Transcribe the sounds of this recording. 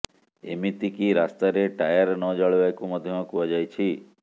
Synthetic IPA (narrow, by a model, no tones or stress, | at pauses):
ḛmit̪ikiɾast̪aɾeʈajəɾnɔd͡ʒaɭʋajkuməd̪ʱjəmɔkuʋad͡ʒajt͡ʃʰi